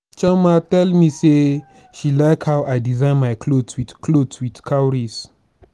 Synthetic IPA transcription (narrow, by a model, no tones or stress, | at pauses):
t͡ʃamatɛlmise | ʃilaɪkhawʔajdizãɪ̃nmajkʰlodswidklodswidkʰawɹis